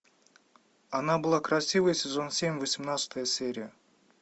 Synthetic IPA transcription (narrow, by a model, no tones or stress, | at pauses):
ɐnabɨlˠakɾɐsʲivəjəsʲɪzo̞nsʲemʲvəsʲimnat̪sɨ̥t̪əjəsʲeɾʲɪjə